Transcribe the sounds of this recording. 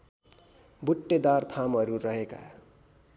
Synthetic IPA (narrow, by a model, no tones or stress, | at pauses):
buʈːed̪art̪ʰamʌɾurʌɦeka̰